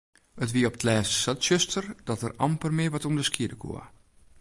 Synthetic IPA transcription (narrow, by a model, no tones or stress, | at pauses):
ətʋiəɔp̚tʰlɛːsːatsøstʰərd̥ɔtərɑ̰mpərmɪəʋɔtumdəskiədəkʰo̰ə̰